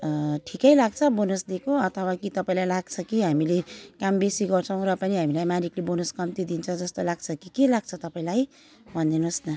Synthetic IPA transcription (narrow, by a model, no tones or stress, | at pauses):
ʈʰikʌjlaɡ̚t͡sʰʌbonusd̪ekoʌt̪ʰʌwakit̪ʌpaĩlajlaɡt͡sʰʌkiɦamilekambesiɡʌrt͡sʰʌ̃w̃ɾʌpʌniɦamilajmaɾiklebonoskʌmt̪id̪int͡sʰʌd͡zʌst̪olaɡt͡sʰʌkikelaɡ̚t͡sʰʌt̪ʌpaĩlaj | bʱʌnd̪inusnʌ